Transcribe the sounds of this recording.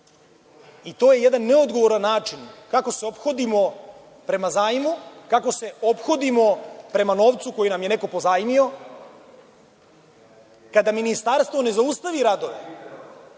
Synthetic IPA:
it̪o̞ːje̞jed̪anːe̞od̪ɡo̞ʋo̞ɾanːaːt͡ʃinkako̞seo̞pxo̞d̪imo̞ | pɾe̞mazaːjimukako̞se̞o̞pxo̞d̪imo̞pɾe̞mano̞ːʋt̪suko̞jinamje̞ne̞ko̞po̞zaːjmio̞ | kad̪aminist̪aɾst̪vʋo̞ne̞zaust̪aʋiɾad̪o̞ʋḛ

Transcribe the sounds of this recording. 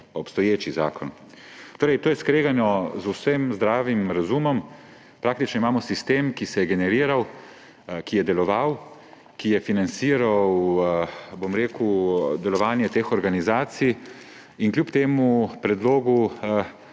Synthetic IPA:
ɔpst̪ɔjeːt͡ʃiza̰ːkʰɔn | t̪oːɾɛjt̪oːjɛskɾeːɡanɔzusəmzd̪ɾaːʋimɾazumɔm | pɾaːk̚t̪it͡ʃnɔimaːmɔsist̪eːmkisɛjɛɡɛnɛɾiːɾaw | kijɛd̪ɛlɔʋaw | kijɛfinant̪siːɾaw | bomɾeːkud̪ɛlɔʋaːnjɛt̪eːxɔɾɡanizaːt̪sij | iŋklʲjupt̪eːmupɾɛd̪loːɡu

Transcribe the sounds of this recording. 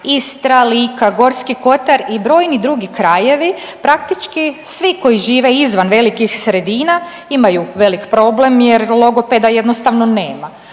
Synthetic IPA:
ist̪ɾaliːkaɡo̞ɾskiko̞t̪aɾibɾo̞ːjnid̪ɾuːɡikɾaje̞ʋi | pɾak̚t̪it͡ʃkisʋiko̞jiʒiːʋeizʋanʋe̞likixsɾe̞d̪iːna | imajuʋe̞likpɾo̞ble̞mjeɾlˠo̞ɡo̞ped̪aje̞d̪nost̪aʋnoneːma

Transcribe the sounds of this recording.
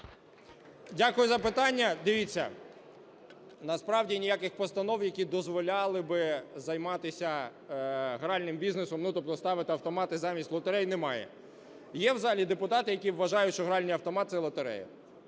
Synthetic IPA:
dʲakʊjʊzɐpɪt̪ɑnʲːɐd̪ɪʋʲit͡sʲːɐ̰ | nɐspɾɑwdʲinʲijakɪxpɔst̪ɐnɔwjɐkʲid̪ɔzʋɔlʲɑlˠɪbɪzɐjmɑt̪ɪsʲɐ | ɦɾɑlʲnɪmbʲiznesɔmnʊt̪ɔp̚t̪ɔst̪ɑʋɪt̪ɪɐwt̪ɔmɑt̪ɪzɑmʲisʲtʲlˠɔt̪eɾɛjnɛmɑjɛ̰ | jɛwzɑlʲid̪epʊt̪ɑt̪ɪjɐkʲiʋːɐʒɑjʊʃt͡ʃɔɦɾɑlʲnʲijɐwt̪ɔmɑt̪̚sɛlˠɔt̪eɾɛ̰jɐ̰

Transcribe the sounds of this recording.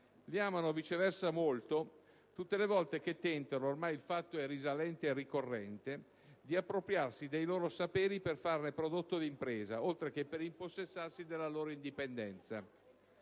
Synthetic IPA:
liaːmanovit͡ʃevɛrsamolt̪o | t̪ut̪ːelevɔlt̪ek̟et̪ːɛnt̪anoːrmajilfat̪ːoɛrizalɛnt̪eːrːikorːɛnt̪e | d̪iapːɾopɾjarsid̪ejloːɾosapeːɾiperfarnepɾod̪ot̪ːod̪impɾeːza̰olt̪ɾek̟epːeɾimposːesːarsid̪elːaloːɾoind̪ipend̪ɛnt̪sa̰

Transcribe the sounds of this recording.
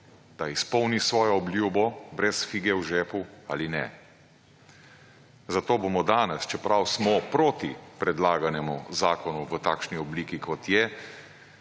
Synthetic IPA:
d̪̥aispɔwnisʋɔːjɔːbljuːbɔbɾɛsfiːɡɛwʒɛːpua̰ːlinɛ̰ | zat̪oːbomɔd̪aːnɛst͡ʃɛpɾawsmɔpɾoːt̪ipɾɛd̪laːɡanɛmuzaːkɔnuʋət̪aːkʃniɔbliːkikʰɔt̪jɛ

